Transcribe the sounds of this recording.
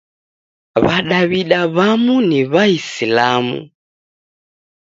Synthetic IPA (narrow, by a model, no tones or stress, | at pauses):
βaɗaβiɗaβamuniβaisilamṵ